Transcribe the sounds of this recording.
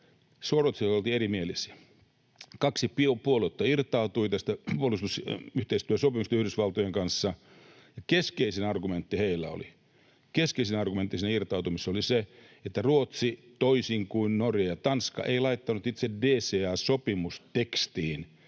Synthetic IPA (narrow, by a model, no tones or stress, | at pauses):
suorot̪siolt̪iːeɾimielisiæ | kɑksipiopuolut̪ːɑirt̪ˑɑut̪uit̪æst̪æpuolːˑust̪usyht̪eist̪yøsopimust̪eyhdysʋɑlt̪ojeŋkɑnsːɑ | jɑkeskeisenɑrɡument̪ːiheilːæo̰li | keskeisinɑrɡument̪ːisinːæirt̪ɑut̪umisːolise | et̪ːæruot̪sit̪oisiŋkuinnorjɑjɑt̪ɑnskɑ̰ʔeilɑit̪ːɑnut̪it̪sedeːseːɑːsopimust̪ekst̪iːn